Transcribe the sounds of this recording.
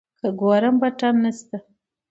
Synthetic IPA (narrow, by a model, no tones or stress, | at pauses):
kaɡoɾambaʈanːəst̪a